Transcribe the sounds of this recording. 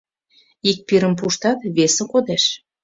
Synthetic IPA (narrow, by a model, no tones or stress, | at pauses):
ik̚piɾə̆mp̬uʃt̪ɑt̪βesə̆kod̪eʃ